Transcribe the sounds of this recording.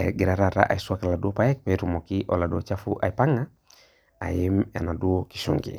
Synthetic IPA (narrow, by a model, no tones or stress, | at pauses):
ɛɡɛɾaɾaɾa̰ʔa̰isuakaladuopajɛk̚pɛɾumɔkiʔɔladuɔt͡ʃafuʔa̰ipaŋa | a̰jima̰naduɔki̥ʃṵŋɡḭ